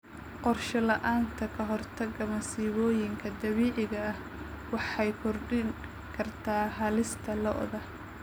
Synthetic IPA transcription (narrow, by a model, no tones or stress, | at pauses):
qɔrʃɐlɐʔaːnt̪ʰɐkʰɐɦɔrt̪ʰɐɡɐmɐsiːβɔːjɪŋkʰɐd̪ɐβɛːʕɪɣɐɐh | wɑħɑjkʰɔrɖɪŋ | kʰɐrt̪ʰaːɦɐlɪst̪ʰɐlɔʔðɐ